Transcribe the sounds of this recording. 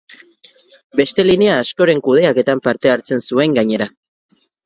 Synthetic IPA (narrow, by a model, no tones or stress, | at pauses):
be̞st̪e̞lineaːsko̞ɾe̞ŋkuð̞e̞ake̞t̪ampaɾt̪e̞aɾt͡se̞nsue̞ŋɡaɲe̞ɾa